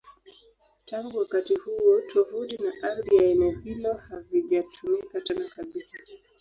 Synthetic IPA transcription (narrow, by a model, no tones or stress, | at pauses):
taŋɡuwakatihuɔtʰɔvuɗinaʔaɾðijainɛhilɔhaviʄatʰumikatɛnakaɓisa